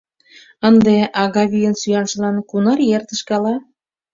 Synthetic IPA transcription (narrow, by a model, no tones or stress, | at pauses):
ənd̪eʔɑɣɑβyjənsyjɑnʃə̆lɑnkunɑrjert̪əʃkɑlɑ